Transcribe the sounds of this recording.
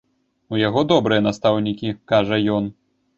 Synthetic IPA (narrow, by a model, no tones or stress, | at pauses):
ujaɣɔd̪ɔbɾɨjɐnast̪awnʲikʲikaʐɐjɔn